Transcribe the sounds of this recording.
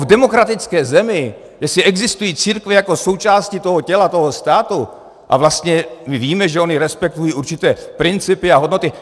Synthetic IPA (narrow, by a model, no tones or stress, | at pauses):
vdɛmo̞kɾat̪ɪt͡skɛːzɛmɪ | jɛsɪɛɡzɪst̪ujiːt͡siːɾkvɛjako̞so̞wt͡ʃaːscɪt̪o̞ɦocɛlat̪oɦost̪aːt̪u | ʔa̰vlast̪ɲɛmɪviːmɛʒɛo̞ɲɪɾɛspɛk̚t̪ujiːʔuɾt͡ʃɪt̪ɛːpɾɪnt͡sɪpɪaɦo̞dno̞t̪ɪ